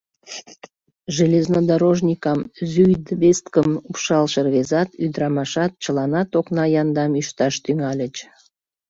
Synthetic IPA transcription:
ʒəleznod̪ɑɾoʒnʲikɑmzyjd̪βest̪kəmupʃɑlʃerβezɑt̪yd̪ɾɑmɑʃɑt̪̚t͡ɕəlɑnɑt̪oknɑjɑnd̪ɑmyʃt̪ɑʃt̪yŋɑlʲət͡ɕ

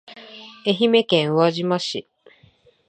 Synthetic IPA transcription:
e̞çime̞kẽɰ̃oβaʑimaɕi

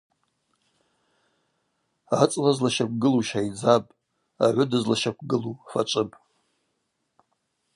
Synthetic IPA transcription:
at͡sʼlazlaʃak̚ʷʰʼɡɨluʃajd͡zapʼ | aʕʷʊdɨzlaʃakʷɡɨlufa̰ʈ͡ʂʷʼɨpʼ

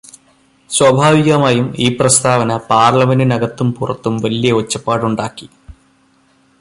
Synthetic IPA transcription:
swɐbʱaːʋiɣɐmaːjumiːprɐst̪ʰaːʋɐnɐpaːrɭɐmendinɐɡɐt̪ːumpurɐ̰t̪ːumʋɐlijɐot͡ɕːɐpːaːɽuɳɖaːkːi

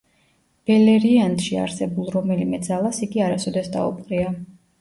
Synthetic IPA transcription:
b̥ɛlɛɾiant̪ʃia̰ɾsɛbulˠɾɔmɛlimɛd̪zalˠasiɡiaɾasɔd̪ɛsd̪a̰ṵp̚ʼqʼɾia

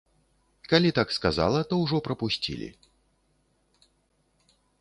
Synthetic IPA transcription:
kalʲit̪akskaza̰lˠɐt̪ɔwʐɔpɾɐpusʲt͡sʲḭlʲḭ

